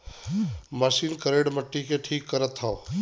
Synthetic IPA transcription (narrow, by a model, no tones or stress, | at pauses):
məʃiːnkəɾeːɖməʈːikeʈʰiːkːəɾət̪ɦã